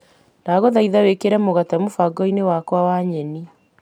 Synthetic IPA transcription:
naːɣoðaiðawekeɾɛmoɣatɛmofaɡɔinewakwawaɲɛni

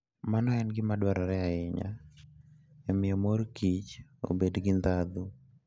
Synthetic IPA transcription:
manɔɛnɡɪmadwaɾaɾɛaɪɲa̰ | ɛmɪɔmoɾkit͡ʃo̰bedɡɪnd̪ad̪u

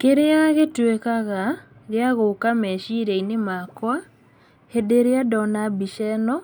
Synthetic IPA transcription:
keɾeaɣetwekaɣa | ɣeaɣokamɛʃiɾeinemakwa | hedeɾeadɔnabiʃɛnɔ

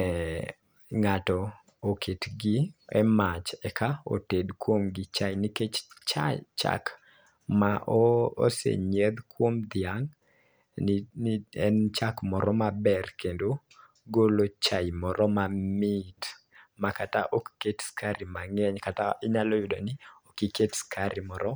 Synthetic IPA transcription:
ɛ | ŋatɔ | okʰetɡiɛmat͡ʃɛkʰao̰tedkwomɡɪt͡ʃajniket͡ʃt͡ʃa̰t͡ʃa̰k | maʔoo̰sḛɲed̪kwomd̪ɪaŋ | ɛnt͡ʃakmɔɾɔmabɛrkendo | ɡolot͡ʃajmɔɾɔmamɪt | makataʔokketskaɾɪmaŋɛɲkataɪɲalɔjʊdonɪokiketskʰaɾɪmɔɾɔ

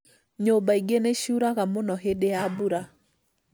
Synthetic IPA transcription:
ɲobaiɡeneʃuɾaɣamonɔɦedeabuɾa

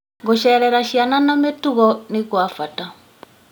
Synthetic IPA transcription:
ŋɡoʃɛːɾɛɾaʃiananametuɣɔnikwafata

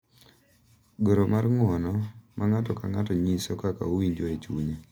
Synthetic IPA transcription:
ɡoɾomarŋwɔnɔmʔaŋatɔkaŋatɔɲisɔkaka̰owiɲd͡ʒoet͡ʃuɲe

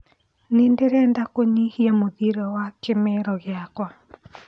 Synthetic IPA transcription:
nendeɾɛndakoɲihiamoðiɾɛwakemɛɾɔɣeakwa

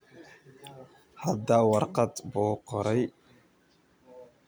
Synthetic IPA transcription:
had̪awɑɾqɑt̪boːqɔɾɛj

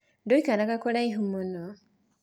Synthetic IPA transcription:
doikanakakoɾaiɦumuno

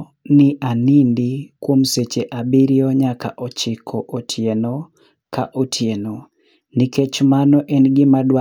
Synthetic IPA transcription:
nɪʔanindikwomset͡ʃeʔabiɾioɲaka̰ʔɔt͡ʃɪkʰɔʔotʰjenɔ | ka̰ʔotʰjeno | niket͡ʃmanɔʔɛnɡɪmadwa

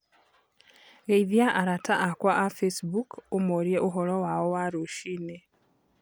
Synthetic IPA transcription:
ɣeiðjaʔaɾataʔakwaʔafesbukomoɾjeʔoɦɔɾɔwaowaɾoʃiːne

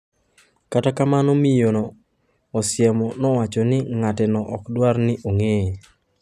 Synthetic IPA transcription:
katakamanɔmijonɔː | sjɛmɔnɔwat͡ʃɔnɪŋatɪnɔʔɔkdwarnɪʔoŋe

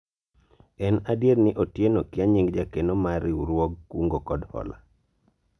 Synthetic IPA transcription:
ɛnadjeɾnɪʔotjenokɪaɲiŋɡd͡ʒakenomaɾɪuɾwɔɡkuŋɡokɔdhɔ̰la̰

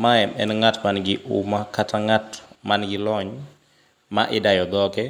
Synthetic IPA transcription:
maɛmɛnŋatmanɡɪʔṵmakatʰaŋatmanɡɪlɔɲ | maʔɪdajɔd̪ɔkɛ

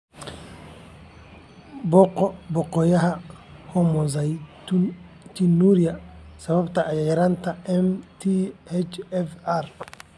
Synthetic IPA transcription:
bɔqːɔbɔkːɔjaɦa | hɔmɔzaj | tinuɾijasababtaːjajaɾantaɛmtihɛt͡ʃɛfaɾ

